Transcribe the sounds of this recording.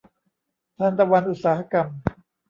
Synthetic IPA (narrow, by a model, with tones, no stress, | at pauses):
t̪ʰaː˧nt̪a˧wa˧nʔu˨t̪̚saː˩˦ha˦˧ka˧m